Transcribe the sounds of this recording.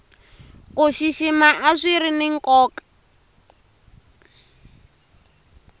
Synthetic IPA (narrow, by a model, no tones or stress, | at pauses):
koʃiʃimaʔaʂʷiɾinɪŋ̩kʼɔːkʼḁ